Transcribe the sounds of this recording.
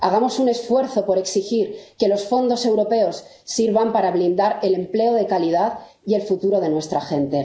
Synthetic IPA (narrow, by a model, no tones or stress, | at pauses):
aɣ̞amo̞sune̞sfwe̞ɾθo̞po̞ɾe̞ksixiɾke̞lo̞sfo̞nd̪o̞se̞wɾo̞pe̞o̞sː | iɾβampaɾaβlind̪aɾe̞le̞mple̞oð̞e̞kaliðað | ie̞lfut̪uɾo̞ð̞e̞nwe̞st̪ɾaxe̞nt̪e̞